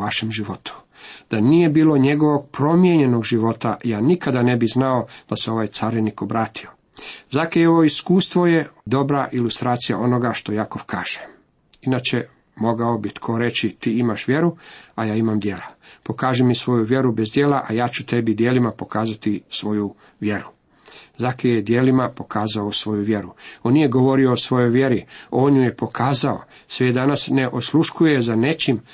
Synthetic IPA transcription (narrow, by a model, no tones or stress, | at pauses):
aʃemʒiʋo̞t̪u̥ | d̪̥anije̞biːlˠo̞ɲe̞ɡo̞ʋo̞ɡ̚pɾo̞mje̞ɲe̞no̞ɡʒiʋo̞t̪ajaːnikad̪ane̞biznaod̪̥aseo̞ʋajt̪saːɾiniko̞bɾaːt̪io̞ | zakeoʋo̞iskuːst̪ʋo̞je̞d̪o̞bɾaʔilust̪ɾaːt̪sija̰ʔo̞no̞ɡaʃt̪o̞jako̞ʋkʰaːʒ̥e̥ | inat͡ʃe̞ | mo̞ɡao̞bit̪kʰo̞ɾe̞t͡ɕit̪iːimaʃʋje̞ɾuajaːimamd̪je̞ːlˠapo̞kaːʒimisʋo̞juʋje̞ɾubezd̪jeːlaʔajaːt͡ʃut̪e̞bid̪jeːlimapo̞kaːzat̪isʋo̞ju | ʋje̞ɾu | zakejed̪jeːlimapo̞kʰaːzaosʋo̞juʋjeɾuonːije̞ɡo̞ʋo̞ɾio̞ːsʋo̞jo̞jʋje̞ɾioːnjuje̞po̞kʰaːzao | sʋed̪anasneʔo̞slˠuʃkujezane̞t͡ʃim